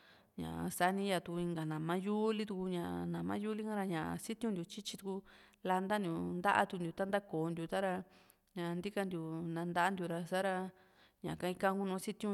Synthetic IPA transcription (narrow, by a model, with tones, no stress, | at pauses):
ɲã̰˨ʔsa˧˦nĩ˧˦ja˧t̪u˧i˧ŋɡa˨nã˨mã˦ju˦li˦t̪̬u˧ku˧ɲã˧˨ʔnã˨mã̰˦ju˦li˦kã˦ɾa˧ɲã˨ʔa̰˧si˦t̪ũ˦nd̪ʲu˧˨t͡ʃi˦t͡ʃi˧t̪u˧ku˧la˧nd̪a˦nd̪ju˧nd̪a˦ʔa̰˦t̪u˧nd̪ʲu˧t̪a˦nd̪a˦koː˨˧nd̪ju˧t̪a˦ɾa˧ | ɲã˧nd̪i˦ka˧nd̪ju˨nã˧nd̪a˦a˦nd̪ju˧ɾa˧sa˦ɾa˧ | ɲã̰˨kã˧ĩ˧kã˦˧˦ku˦nũ˧˦si˦t̪ũ˦